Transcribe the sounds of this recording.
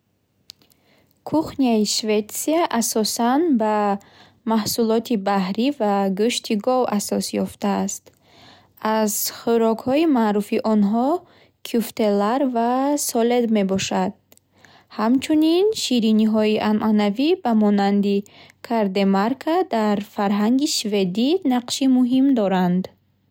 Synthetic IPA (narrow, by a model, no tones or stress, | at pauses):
kʰuχniaiʃvet̪siaʔasɔsanba | mahsulɔt̪ʰibahɾivaɡuʃt̪ʰiɡɔvasɔsjɔft̪aːst̪ | azχuɾɔkhɔimaɾufiʔɔnɦɔ | kʰuft̪e̞laɾvasɔled̪me̞bɔʃad̪̥̚ | hamt͡ʃʰuninʃiɾiniɦɔiʔamʔanavibamɔnand̪ikʰaɾd̪e̞maɾkʰad̪aɾfaɾɦaŋɡiʃve̞d̪inaqʃimuɦimd̪ɔɾand̪